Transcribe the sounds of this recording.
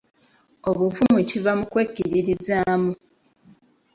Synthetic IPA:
o̞βuvumucivamukweːcːiɾiɾizaːmu

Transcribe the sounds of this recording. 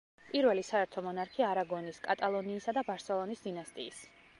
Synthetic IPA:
pʼiɾvɛlisaɛɾt̪ʰɔmɔnaɾkʰiaaɾaɡɔniskʼat̪ʼalˠɔniːsad̪abaɾsɛlˠɔnisd̪inast̪ʼḭːs

